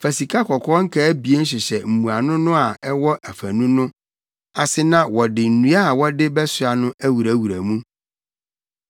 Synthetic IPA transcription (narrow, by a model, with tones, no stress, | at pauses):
fæ˨si˨kʰa˦kʰɔ˨kʰɔ˦ŋ̩˦kʰa˦bi˨e˦n̩˦ɕ̬ɪ˨ɕɛ˨m̩˨mũ˨a˨nʊ̃˦nʊ̃˦a˨ɛ˦wɔ˦ʔæ˨fæ˨nũ˦nʊ̃˦ | a˨sɪ˦nã˦wɔ˨dɪ˨n̩˨nũ˨˦a˦˨wɔ˦dɪ˦bɛ˦sʊ˦a˨nʊ̃˦æ˦wu˨ɾæ˨wu˨ɾæ˨mũ˦